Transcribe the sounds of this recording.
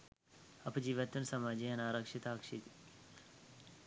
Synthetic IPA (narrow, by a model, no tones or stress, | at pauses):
ɐpd͡ʒiʋɐt̪ɐnsɐmaːd͡ʒiɐnaːɾɐkʃit̪aːkʂit̪i